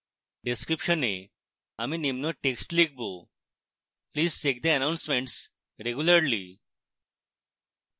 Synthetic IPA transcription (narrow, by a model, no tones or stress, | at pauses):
ɖeskɾipɕəne | amiːnimnɔʈeksʈlik̚bo | pliːzt͡ɕek̚d̪eənawnsmẽɳʈs | ɾeɡjuləɾlḭ